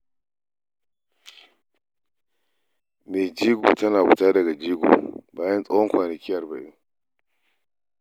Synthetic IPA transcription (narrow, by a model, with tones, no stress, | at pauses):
meː˨d͡ʒiː˦ɡṵː˨tɐ˦naː˨ɡṵ˨taː˦dɐ˨ɡa˨d͡ʒiː˦ɡṵː˨baː˦jɐ˦nsʼɐ˦whɔ˦ŋkʷaː˨nɐ˨kʲɪ˦jɐ˨rba̰˨ju˦